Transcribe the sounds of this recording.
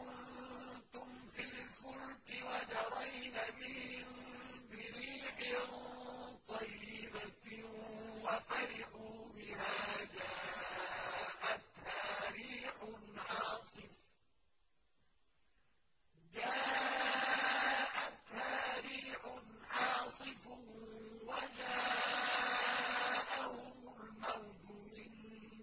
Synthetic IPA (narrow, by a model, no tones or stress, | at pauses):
kʊnt̪ʊmfilfʊlkɪwad͡ʒɑɾˤajnabɪhɪmbɪɾiːħɪ | t̪ˤɑjːɪba | wafaɾɪħuːbɪhaːd͡ʒaː | ʔat̪haːɾiːħʊnʕɑːsˤɨf | d͡ʒaː | ʔat̪haːɾiːħʊʕɑːsˤɨf | wad͡ʒaː | ʔahʊmʊlmawd͡ʒʊmɪn